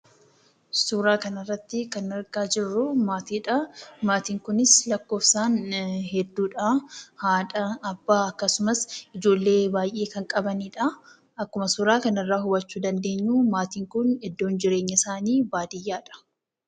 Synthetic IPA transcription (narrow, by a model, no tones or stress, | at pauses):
suːɾaːkɐnɐrːɐt̪ːɪkɐnːɪɾɡaːd͡ʒɪrːʊmaːt̪iːᶑɐmaːt̪iːŋkʊnɪslɐkːo̞ːfsaːnhɛd̪ːuːᶑɐhaːᶑɐɐbːaːɐkːɐsʊmɐsɪd͡ʒo̞ːlːe̞ːbaːjʔe̞ːkɐŋkʼɐbɐniːᶑɐ | ɐkːʊmɐsuːɾaːkɐnɪrːaːhʊbɐt͡ʃːuːd̪ɐnd̪e̞ːɲːuːmaːt̪iːŋkʊnɛd̪ːo̞ːnd͡ʒɪɾeːɲːɐɪsaːniːbaːd̪ɪjːaːᶑɐ̥